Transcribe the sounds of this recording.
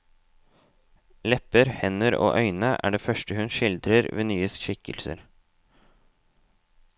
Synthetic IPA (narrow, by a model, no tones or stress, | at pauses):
lɛpəɾhɛnəɾo̰ːʔœʏnəʔæ̰ːɖeːfœʃʈəhʉnʃɪld̪ɾəɾʋḛːnyːəsʃɪkəlsə̰ɾ